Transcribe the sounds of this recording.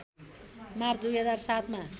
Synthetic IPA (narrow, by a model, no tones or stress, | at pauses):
mart͡sʰd̪ujɦʌd͡zarsat̪ma